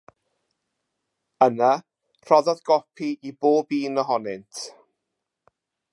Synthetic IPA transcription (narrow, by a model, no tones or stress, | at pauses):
əna | r̥ɔðɔðɡɔpʰiʔiboːbiːnəɦɔnɪntʰ